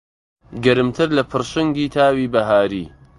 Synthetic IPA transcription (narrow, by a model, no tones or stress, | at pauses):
ɡɐɾɨmt̪ʰɨɾlɐpʰɨɾʃɨŋɡiːt̪ʰaːwiːbɐɦaːɾḭː